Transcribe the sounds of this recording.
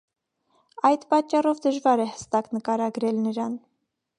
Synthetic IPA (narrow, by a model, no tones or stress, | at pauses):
ɑjd̪pɑt͡ʃːɑrɔvd̪əʒvɑɾɛhə̥st̪ɑknəkɑɾɑɡɾɛlnəɾɑn